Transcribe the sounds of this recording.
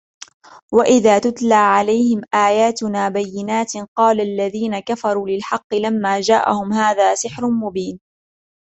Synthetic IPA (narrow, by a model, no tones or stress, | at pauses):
waʔɪðaːt̪ʊt̪laːʕalajhɪmʔaːjaːt̪ʊnaːbajːɪnaːt̪qɑːlalːaðiːnakafɑɾˤuːlɪlħɑqːɨlamːaːd͡ʒaːʔa̰hʊmhaːðaːsɪħɾʊnmʊbiːn